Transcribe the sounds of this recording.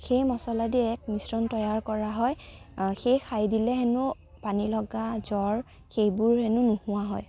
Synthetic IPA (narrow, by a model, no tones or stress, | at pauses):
xejmɔsɔladiɛk̚misɹɔntɔjaɹkɔɹaɦɔjxejxʰajdilɛɦɛnʊ | panilɔɡazɔɹ | xejbʊɹhɛnʊnʊhʊwaɦɔj